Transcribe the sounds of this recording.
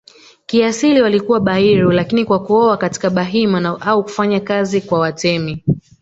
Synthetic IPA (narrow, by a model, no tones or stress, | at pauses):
kiasiliwalikuwaɓaiɾulakinikwakuɔwakati̥kaɓaɦimanaʔauku̥faɲakazikwawatɛmi